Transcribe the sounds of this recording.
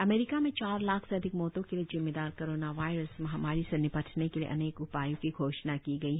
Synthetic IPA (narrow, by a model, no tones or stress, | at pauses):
ɐmeːɾɪkamẽt͡ʃaːɾlaːkʰseɐd̪ʱɪkmɔːt̪õkeliezɪmːeːd̪aːɾkoːɾoːnaʋaːɪɾəsmɐɦɐmaːɾisenɪpɐʈʰnekeliḛʔɐ̰neːkʊpaːjõkiɡʱoːʃnakiɡɐiɦ